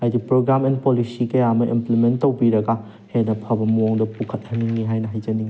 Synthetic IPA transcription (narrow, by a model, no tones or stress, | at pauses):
ajdipɾoɡɾamenpolisikɐjamɐʔḭmplimentːɐwbiɾɐɡa | henːɐpʰɐbɐmuoŋdɐpukʰɐt̚hɐniŋniɦajnɐɦɐjd͡ʒɐniŋ